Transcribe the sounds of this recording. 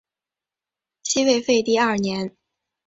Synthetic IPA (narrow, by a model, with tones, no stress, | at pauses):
t͡ɕʰi˥we˥˧ɪfe˥˧ɪt̪i˥˧ɐ˥˩njɛ˧˥n